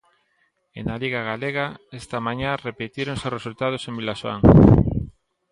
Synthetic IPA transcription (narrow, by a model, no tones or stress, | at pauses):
ḛnaliɣaɣ̞aleɣaest̪amãɲarepet̪iɾoŋsosresult̪að̞osembilaʃoa̰ŋ